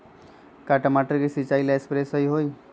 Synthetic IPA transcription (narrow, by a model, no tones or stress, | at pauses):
kaʈəmaʈəɾkisit͡ʃailaekspɾesəɦiɦoːi